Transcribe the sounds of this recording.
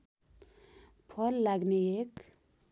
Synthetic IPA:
pʰʌlːaɡneek

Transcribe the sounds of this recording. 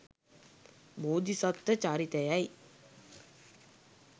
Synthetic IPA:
boːd̪isɔt̪ːət͡ʃaːɾit̪əjaj

